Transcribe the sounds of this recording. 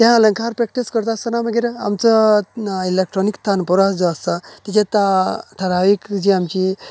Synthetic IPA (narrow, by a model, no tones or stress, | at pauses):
t̪jãələŋkaɾpɾek̚ʈiskəɾt̪ast̪ənaməɡiɾa̰mt͡sə | ilekʈɾɔnikt̪ʰanpɔɾad͡zɔast̪at̪it͡ɕẽt̪aʈ̪ʰəɾaʋikd͡ʑiːamt͡ɕi